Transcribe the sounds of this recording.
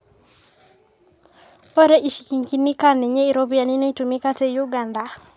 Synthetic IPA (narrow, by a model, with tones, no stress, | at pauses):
ɔ˦ɾɛ˦ʔi˨ʃi˨ki˨ŋki˦nːi˦ka˦nɛ˨ɲe˦i˨ɾobi˨a˨ni˦nɔ˦i˦tu˨mi˦ka˦tɛ˦ju˦ɡa˨nda˨